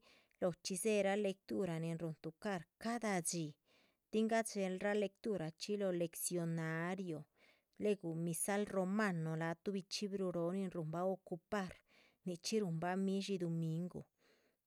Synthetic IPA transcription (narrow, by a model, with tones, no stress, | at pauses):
lo˨t͡ʃi˧ze˦ɾa˦le˧k̚t̪u˦ɾa˨ni˨nɾu˨nt̪u˨ka˦˨ɾka˦d̪a˧d͡ʒi˨ | t̪i˦ŋɡa˦t͡ʃe˧lɾa˦le˧kt̪u˦ɾa˨t͡ʃi˦lo˧le˧ksjo˧na˧ɾjo˨ | le˦ɡu˨mi˧sa˦lɾo˧ma˦˧no˨la˨˧t̪u˦bi˧t͡ʃi˦bɾu˧ɾo˧˦ni˧nɾu˨mba˦o˧ku˧pa˦˨ɾ | ni˧t͡ʃi˦ɾu˧˨mba˦mi˦ʃi˧d̪o˧mi˧ŋɡo̰˨